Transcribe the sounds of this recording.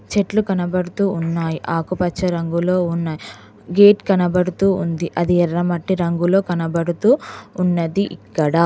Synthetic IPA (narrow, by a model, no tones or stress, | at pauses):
t͡ʃeʈlukɐnɐbɐɽut̪uːunːaːjiʔaːkupɐt͡ʃːɐɾɐŋɡulo̞ːunːaːji | ɡe̞ːʈkɐnɐbɐɽut̪uːund̪iʔɐd̪iɛɾːɐmɐʈːiɾɐŋɡulo̞ːkɐnɐbɐɽut̪uːnːɐd̪iʔḭkːɐɽaː